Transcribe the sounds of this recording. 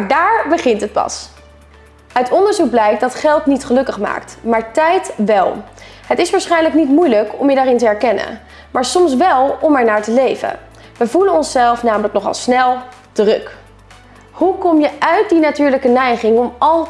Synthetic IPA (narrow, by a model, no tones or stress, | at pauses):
daːɹbəχɪntɦət̚pɑ̰s | œɥtɔndəɹzuk̚blɛjk̚dɑtχɛlˠtnitχəlɵkəχma̰ːktmaːɹtɛjtʋɛlˠ | ɦətɪsʋaːɹsχɛjnləknitmujləkɔmjədaːɾɪntəɛɹkɛnə̰n | maːɹsɔms̬ʋɛlˠɔmɛɹnaːɹtəlejvə̰ | ʋəvulənɔnsɛlˠfnaːmələknɔχɑ̰lˠsnɛlˠ | tərɵk | hukɔmjəʔœɥt̚dinatyːɹləkənɛjχɪŋɔmɑlˠ